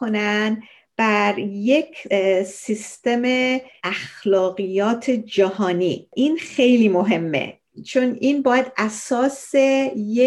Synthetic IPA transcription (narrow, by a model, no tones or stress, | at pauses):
kʰonæn | b̥æɾjekʰsist̪e̞meæxlɒːɣijɒːt̪ʰed͡ʒæhɒːniːʔinxe̞jliːmo̞ɦe̞mːḛ | t͡ʃʰonʔinbɒːjæd̪̥æsɒːseje